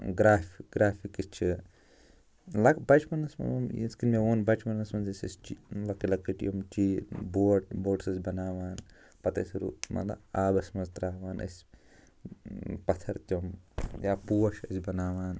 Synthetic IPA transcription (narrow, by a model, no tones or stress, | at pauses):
ɡɾaːfɡɾaːfikist͡ʃʰi | lɐkbɐt͡ʃmɐnɐsmɐ̰omḭskinmeoːnbɐt͡ʃmɐnɐsmɐnzɐsʲɐ̰st͡ʃilɐkːilɐkːiʈjomt͡ʃiːboːʈboːʈsɐsʲbɐnaːʋaːn | pɐt̪ɐsɾṵmɐ̰lɐ̰aːbɐsʲmɐnzt̪ɾaːʋaːnʔɐ̰sʲ | pɐt̪ʰɐɾt̪ʲomjaːpuwɐʃɐ̰sʲbɐnaːʋaːn